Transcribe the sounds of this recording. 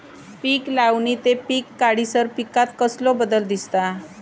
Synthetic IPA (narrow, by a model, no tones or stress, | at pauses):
piːklawniːt̪epiːkːaɽisəɾpikat̪kəslɔbəd̪əld̪ist̪a